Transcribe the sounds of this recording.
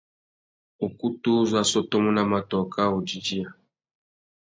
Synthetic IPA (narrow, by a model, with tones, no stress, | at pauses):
o˨ku˦tu˦zwa˦sɔ˦tɔ˦mu˦na˦ma˨tɔ˨ka˦o˨di˦d͡ʒi˦a˨